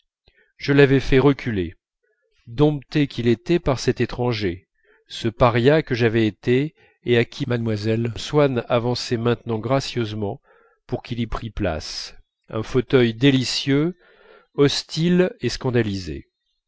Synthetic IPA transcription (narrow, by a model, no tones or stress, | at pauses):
ʒ̥əlavɛfɛʁəkʲʰyle | d̪ɔ̃p̚t̪ekʲilet̪ɛpaʁsɛt̪et̪χɑ̃ʒe | səpaʁjakəʒavɛet̪e | eakʲʰimad̪mwazɛlswanavɑ̃sɛmɛ̃t̪nɑ̃ɡʁasjøzmɑ̃ | puʁkʲilipχipla̰s | ɛ̰̃fot̪œjd̪elisjø | ɔst̪ileskɑ̃d̪alizḛ